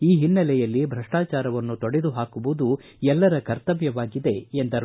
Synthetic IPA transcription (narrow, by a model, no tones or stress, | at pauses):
iːɦinːɐlɛjɐlːibʱɾɐʂʈaːt͡ʃaːɾɐʋɐnːut̪oɽed̪uɦaːkuʋud̪u | ɛlːɐɾɐkɐɾt̪ɐʋjɐʋaːɡid̪e̞end̪ɐɾ